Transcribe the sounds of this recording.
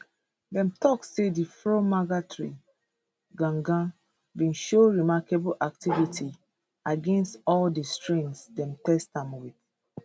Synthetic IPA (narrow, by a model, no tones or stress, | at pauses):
dɛ̃mtɔksedifɹomaɡatɹi | ɡãŋɡã | vĩnʃoɹimakebulʔak̚tivitʰi | aɡɛ̃nstɔldistɹẽnsdɛ̃mtɛstãmwiθ